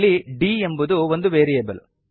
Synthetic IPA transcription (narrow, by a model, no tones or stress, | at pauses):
liɖiːe̞mbud̪uʋo̞nd̪uʋeːɾijeːbɐl